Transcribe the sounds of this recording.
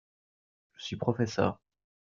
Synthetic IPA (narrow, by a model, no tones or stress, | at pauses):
ʒ̥əsɥipχɔfɛsœ̰ːʁ